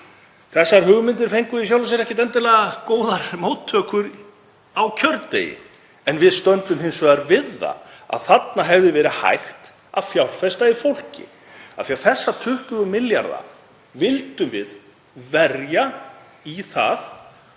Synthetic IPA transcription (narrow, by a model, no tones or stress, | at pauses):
kʰɛsːaɾ̥ɦʏɣmɪnt̪̬ɪɾ̥fejŋkʏisjaːwlʏs̬ɛɾɛhcɪt̪̬ɛnt̪ɪlɛːɣakoːwðaɾmowt̪ʰːœːkʏɾ | awcʰœɾtt̪ːḛjɪ̰ | ɛnvɪðst̪œnt̪ʏmhɪnsvɛɣaɾvɪðːa̰a̰ðθat̪naɦɛvðɪvɛːɾɪha̰jxt̪ | a̰ðfjawlfɛst̪aifowl̥cɪ̰ | a̰θiaɾθɛsːat̪ʰʏht̪ʏʏmɪlja̰ɾða̰ | vɪlt̪ʏmvɪð | vɛrja | iθa̰θ